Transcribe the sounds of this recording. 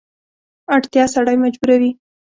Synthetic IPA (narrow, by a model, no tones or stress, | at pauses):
aɽt̪jɑsaɽajmad͡ʒbuɾawi